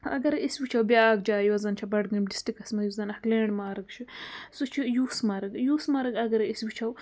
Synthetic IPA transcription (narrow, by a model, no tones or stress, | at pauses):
ɐ̰ɡɐɾiswit͡ʃʰɐwbjaːɡ̚d͡ʒaːjiwɐzɐnt͡ʃʰɐbɐɖɡɐmdi̥sʈikɐsmɐjuzɐnɐkleːɳɖmaːɾɨkt͡ʃʰisut͡ʃʰijuːsmɐɾɐɡjuːsmɐɾɐɡɐɡɐɾɐiswit͡ʃʰɐw